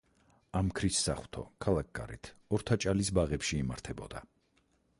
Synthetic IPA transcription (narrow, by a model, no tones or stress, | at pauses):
amkʰɾisːa̰χw̥t̪ʰɔ̰kʰalˠak̚ɡ̥a̰ɾḭt̪ʰɔɾt̪ʰat͡ʃʼalisbaʁɛpʃiːmaɾt̪ʰɛbɔ̰d̪a̰